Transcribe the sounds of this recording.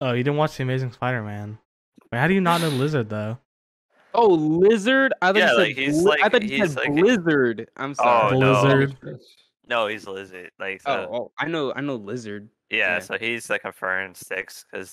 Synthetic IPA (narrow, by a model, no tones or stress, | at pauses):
oʊjɨdɾɪdⁿn̩ʔwɑt͡ʃðiɨmeɪzɪ̃ŋspaɪɾə˞mæ̃n | wahaʊɾɨjɨnət̚ⁿnoʊlɪzə˞d̪̚ðoʊ | oʊlɪzə˞daɪθɔlɛɪkhizaaɪθθɔtt͡ʃisɛdalɪzə˞dʔã̰ɪ̃msoʊlɪzə˞d̚ | noʊhizlɪzə̰˞d̥̚la̰ɪkooʊaɪnoʊa̰ɪnoʊlɪzə˞d̚ | jæsoʊiz̥ɨkʰɨ̃ɱfɜ̰̃˞nsɪkskʰʌz̥